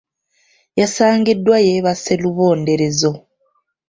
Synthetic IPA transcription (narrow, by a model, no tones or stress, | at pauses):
jasaːŋɡidːwajeβase̞luβo̞ːnde̞ɾe̞zo̞